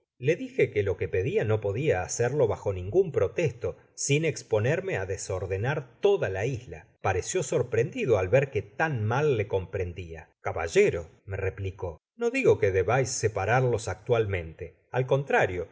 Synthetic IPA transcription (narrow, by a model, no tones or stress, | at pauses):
le̞ðixekelo̞kepe̞ðiano̞po̞ðiaːseɾlo̞βaxo̞nĩŋɡumpɾo̞t̪est̪o̞ | sinekspo̞neɾmeaðeso̞ɾðenaɾt̪o̞ðalaizla̰paɾesjo̞so̞ɾpɾend̪iðoalβeɾket̪anmalːeko̞mpɾe̞nd̪iakaβa̰ʒeɾo̞merepliko̞ | no̞ðiɣo̞keðeβajsːepaɾaɾlo̞sak̚t̪walmẽ̞nt̪e | alko̞nt̪ɾaɾjo